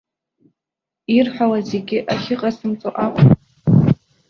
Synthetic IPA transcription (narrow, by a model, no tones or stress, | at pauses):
irħʷᶣalaze̞ɡʲɪʔaχʲɪqʼasɨmt͡sʼoʔakʷʼ